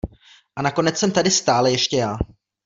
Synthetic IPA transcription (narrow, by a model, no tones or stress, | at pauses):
ʔanako̞nɛt͡ssɛmt̪adɪst̪aːlɛjɛʃcɛjaː